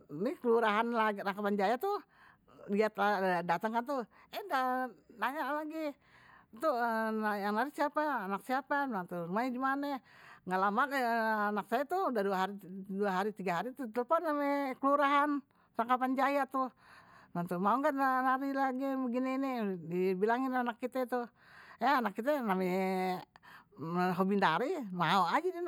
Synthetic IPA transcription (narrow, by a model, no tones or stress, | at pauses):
nikəluɾaɦanlaɡraŋkapand͡ʒajat̪u | liat̪aadat̪aŋkant̪u | ɛdanaɲaʔlaɡi | t̪unjaŋnaɾisiapaːnak̚siapanant̪urumaidimanaŋalamananak̚sajat̪uudaduaɦaɾiduaɦaɾit̪iɡaɦaɾit̪ut̪əlpɔnːamɛkəluɾaɦan | saŋkapand͡ʒajat̪u | nant̪umaoŋɡaʔnanaɾilaɡiɡinɛnidibilaŋinanakːit̪ɛt̪u | aːnakːit̪ɛnamɛ | ɦobinaɾimaoad͡ʒidin